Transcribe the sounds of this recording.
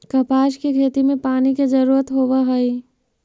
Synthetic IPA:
kɐpaːʃkekʰeːt̪imẽpaːniked͡ʒɐɾuːɾət̪ɦoːʋaɦɐi

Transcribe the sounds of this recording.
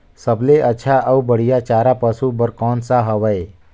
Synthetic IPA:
səbleʔətːʃʰaʔəubəɽ̤ijat͡ʃaːɾapəsubəɾkɔːnsaɦəʋəe

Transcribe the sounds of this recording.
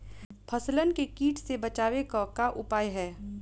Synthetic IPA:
pʰɐslənkekiːʈsebɐt͡ʃaːwekakaʔʊpaːjɦɛː

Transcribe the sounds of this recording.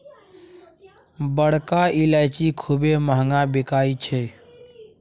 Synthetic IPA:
bəɽ̤kailaɪt͡ʃikʰubeməɦŋɡabɪkaːit͡ʃʰɛː

